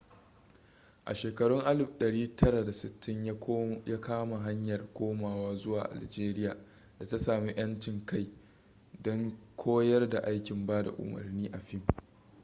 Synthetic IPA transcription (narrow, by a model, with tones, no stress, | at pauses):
ʔa̰˨ʃeː˨kɐ˨ɽʊ˦ŋʔa˦lɪ˨bɗɐ˨ɽiː˦tʰɐ˦ɽa˨da˨sɪ˨tʰːɪ˦ɲjaː˦kaː˦ma˨ɦa˦ɲjɐ˨rkʷoː˦maː˨waː˦zʊ˦waː˨ʔa̰˨ld͡ʒeː˦ɾɪ˦jaː˨ | da˨ta˦saː˨mi˦j̰ɐ˦nt͡ʃɪ˨ŋka˦j | dɔ˦ŋkʷʰoː˦jɐ˦rda˨ʔa˦jkʲɪ˨mbaː˦da̰˨ʔʊ̰˨mɐ̰˨rniː˦ʔa˨ɸɪ˦m